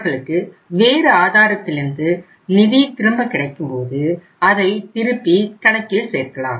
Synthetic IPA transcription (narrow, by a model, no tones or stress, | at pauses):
ɣɐɭɯkːɯ | ʋeːɾɯaːðaːɾɐt̪ːɪlɪnd̪ɯ | nɪðijt̪ɪɾɯmbɐkɪɽɐɪkːɯmpoːðɯ | ɐðɐɪt̪ɪɾɯpːikɐɽɐkːɪlseːɾkɐɭa̰ːm